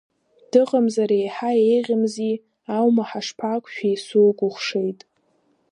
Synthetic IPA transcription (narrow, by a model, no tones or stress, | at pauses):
d̥ɨʁʼamzaɾejħaejʁʲɪmzi | awmaħaʂpʰakʷʰʼʃᶣajsuɡʷʼʊχʷʂe̞jtʼ